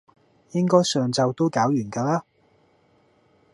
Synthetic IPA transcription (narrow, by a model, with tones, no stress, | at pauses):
jɪ˥ŋkɔː˥jsœː˨ŋt͡sɐ˨wt̪o˥wkaː˨˥wjyː˨˩nkaː˧laː˥